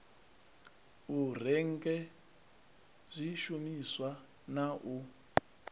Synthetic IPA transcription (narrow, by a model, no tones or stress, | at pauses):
ur̤ɛŋ̩kɛ | zʷiʃumiswa | naʔu